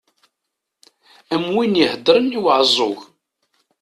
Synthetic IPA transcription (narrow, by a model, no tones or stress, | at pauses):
æmwinjihəd̪ɾəniwʕzˤʊɣ